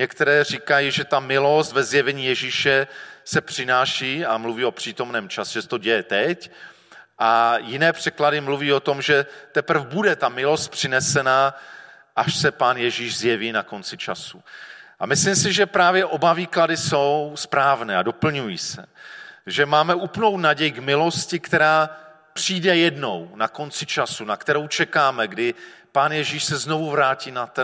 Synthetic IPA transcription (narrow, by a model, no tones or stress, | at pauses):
ɲɛkt̪ɛɾɛːr̝ikajiːʒɛt̪amɪlo̞st̪vɛzjɛvɛɲiːjɛʒiːʃɛsɛpr̥ɪnaːʃiːamluviːopr̥iːt̪o̞mnɛːmt͡ʃasɛ̥ʒɛsɛ̥t̪oɟɛjɛt̪ɛc | ʔajɪnɛːpr̝̥ɛkladɪmluviːo̞t̪o̞mʒɛt̪ɛpr̩fbudɛt̪amɪlo̞st̪̚pr̝̥ɪnɛsɛna | ʔaʃsɛpaːnjɛʒiːʒzjɛviːnako̞nt͡sɪt͡ʃasuʔa̰mɪslimsɪʒɛpɾaːvjɛʔo̞baviːkladɪso̞wspɾaːvnɛːado̞pl̩ɲujḭːsɛ̰ʒɛmaːmɛʔupnownaɟɛjɪɡmɪlo̞scɪkt̪ɛɾaː | pr̥iːdɛjɛdno̞wnako̞nt͡sɪt͡ʃasunakt̪ɛɾo̞wt͡ʃɛkaːmɛɡdɪ | paːnjɛʒiːʃsɛzno̞vuvɾaːciːnat̪ɛ